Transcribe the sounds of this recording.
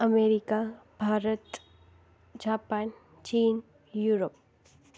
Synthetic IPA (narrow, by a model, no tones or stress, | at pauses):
əmeɾikabʱaːɾət̪ | d͡ʒaːpaːn | t͡ɕiːn | juɾop̚